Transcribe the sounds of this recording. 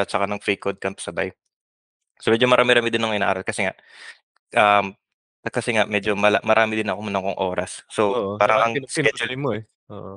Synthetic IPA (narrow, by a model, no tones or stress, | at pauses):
ɐt̪̚t͡ʃɐkanɐŋfɾiːkod̪̚kɐnt̪ʊ̥sɐba̰j | somɛːd͡ʒomɐɾaːmɪɾaːmɪd̪ɪnːɐŋʔɪna̰ːʔaːɾɐlkɐsɛŋa̰ʔ | ʔɐm | ɐkɐsɛŋaʔmɛd͡ʒomɐlamɐɾʔaːmɪd̪ɪnɐkomʊnɐkoŋʔo̞ːɾɐsːoaːɾɐŋɐŋsɛd͡ʒʊlmoɛ | ʔoːʔ